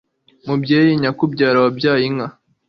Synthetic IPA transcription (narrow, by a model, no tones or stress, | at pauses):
mubjeːjiɲakubɟaːɾawabjaːjiŋa